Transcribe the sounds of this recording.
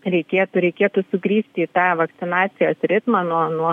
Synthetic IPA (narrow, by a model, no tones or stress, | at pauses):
ɾʲɛɪkʲeːt̪ʊɾʲɛɪkʲeːt̪ʊsʊɡɾʲiːsʲt̪ʲiːt̪ɑːʋɐktsʲɪnɑːt̪sʲɪjoːsɾʲɪt̪mɑːnuɔnuɔ